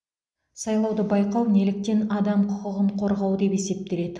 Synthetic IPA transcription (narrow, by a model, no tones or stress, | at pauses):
sɑjlˠɑwd̪əbɑjqɑwne̞lɪk̚t̪e̞nɑd̪ɑmqʰʊqəʁəɴqʰo̞ɾʁɑwəd̪e̞pe̞se̞p̚t̪e̞le̞d̪ɪ